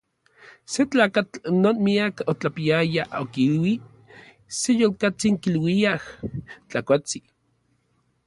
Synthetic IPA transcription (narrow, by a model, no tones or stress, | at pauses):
set͡ɬaːkat͡ɬnoːnmiakot͡ɬapiajaʔokilwi | sejolkat͡siŋkilwiaht͡ɬakʷat͡si